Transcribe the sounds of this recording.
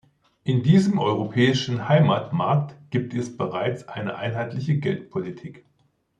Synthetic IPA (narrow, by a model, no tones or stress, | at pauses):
ʔɪndiːzəmʔɔʏʁ̞opʰɛːɪʃn̩haɪmaːtmaɐk̚tɡ̥iːp̚tʰɛsb̥əʁaɪt͡sʔaɪnəʔaɪnɦaɪtlɪçəɡɛltpʰolitʰiːk